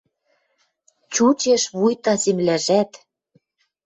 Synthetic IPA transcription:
t͡ɕut͡ɕeʃβujt̪ɑzemlæʒæt̪

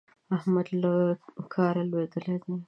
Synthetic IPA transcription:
ahmad̪lakʰɑɾalwed̪əled̪e

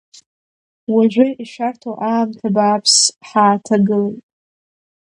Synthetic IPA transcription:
waʒʷᶣʊiʃᶣartʰoʔaːmtʰabaːpʰsħaːtʰaɡɨlejtʼ

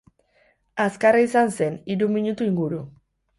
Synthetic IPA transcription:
askaraisanse̞niɾumiɲut̪uiŋɡuɾu

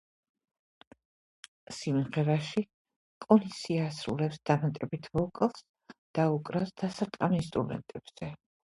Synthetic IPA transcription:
simʁɛɾaʃi | kʼɔnisiaːsɾṵlɛpsd̪̥amat̪ʼɛbit̪ʰvɔkʼɛlˠs | d̪̥aukʼɾasd̪̥asat̪ʼqʼamist̪ʼud̪ɛ̰nt̪ʼɛb̥z̥ɛ

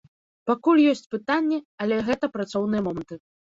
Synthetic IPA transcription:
pakulʲjɔsʲt͡sʲpɨt̪anʲːɛɐlʲɛɣɛt̪ɐpɾat̪sɔwnɨjɐmɔmɐnt̪ɨ

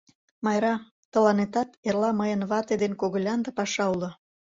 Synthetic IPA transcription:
mɑjɾɑ | t̪ə̆lɑnet̪ɑt̪erlɑməjənβɑt̪ed̪enkoɣəlʲɑnd̪əpɑʃɑulŏ

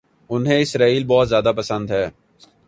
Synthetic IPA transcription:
ʊnɦẽɪsɾaːiːlbɔːt̪zjaːd̪apəsə̃nd̪ɦɛː

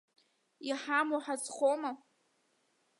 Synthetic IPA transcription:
iħamoħad͡zχoma

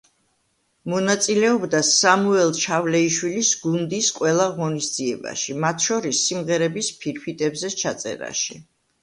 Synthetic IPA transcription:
mɔnat̪sʼilɛɔbd̪asamuɛlˠt͡ʃʰavlɛiʃwilisɡund̪isqʼwɛlˠaʁɔnisd̪ziɛba̰ʃimat̪ʰʃɔɾisːimʁɛɾɛbispʰiɾfʰit̪ʼɛbzɛt͡ʃʰat̪sʼɛ̰ɾa̰ʃi

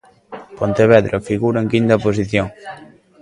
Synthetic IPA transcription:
pont̪eβɛðɾofiɣuɾaeŋkint̪aposiθjo

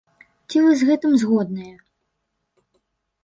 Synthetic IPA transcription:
t͡sʲivɨzɣɛt̪ɨmzɣɔd̪nɨjɛ

